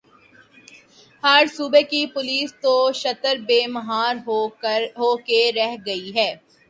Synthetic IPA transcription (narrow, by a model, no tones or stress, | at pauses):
hɐɾsuːbekipʊliːst̪oʃɐt̪əɾbeːmɐɦaːɾɦɦoːkeɾɛɦɡɐiɦɛː